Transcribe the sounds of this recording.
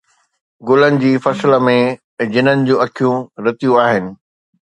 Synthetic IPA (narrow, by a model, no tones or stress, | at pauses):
ɡoːlənɪ̆d͡ʑiːfɐsələmẽ | d͡ʑɪnənɪ̆d͡ʑũːɐkʰijũɾɐt̪ijũaːɦɪnɪ̆